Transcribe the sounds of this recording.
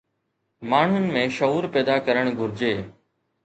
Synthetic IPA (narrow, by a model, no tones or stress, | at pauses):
maːɳ̤ʊnɪ̆mẽʃɐɦuːɾpɛːd̪akɐɾəɽ̃ɡʱʊɾɪd͡ʑeː